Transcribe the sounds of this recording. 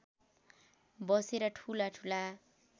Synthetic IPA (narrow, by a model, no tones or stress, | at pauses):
bʌseɾʌʈʰulaʈʰula